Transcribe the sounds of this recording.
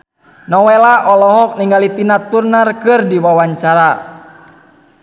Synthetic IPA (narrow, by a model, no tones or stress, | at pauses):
nɔwɛlaʔɔlɔɦɔk̚niŋɡalit̪inat̪urnarkɨrdiwawaɲt͡ʃaɾa